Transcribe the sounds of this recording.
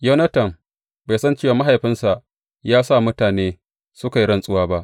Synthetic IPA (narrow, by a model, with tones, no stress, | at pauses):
jɐ˦nɐ˦tɐ˨m | ba˨jsɐ˦nt͡ʃeː˦˨waː˨ma˦ɦa˨jɸɪ˦nsa˨ʔ | jaː˦sa˦˨mʊ˦taː˨neː˦ | sʊ˦ka˨ji˦ɽɐ˦˨nsʼʊ˦waː˦ba˦ʔ